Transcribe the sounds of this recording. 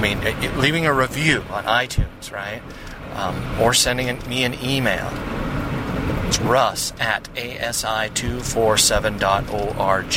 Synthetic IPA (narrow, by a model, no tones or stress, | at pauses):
mĩnlivɪ̃ŋɨɹivjʉə̰̃nʔaɪtʰʉ̃nz̥ɹaɪt̚ | ə˞sɛ̃ndɪ̃ŋɨ̃miɨ̃nimeɪlˠ | ɨtsɹʌsɨɾeɪʔɛsaɪtʰʉfɔɹsɛvɨ̃ndɑɾoʊʔɑɹd͡ʒ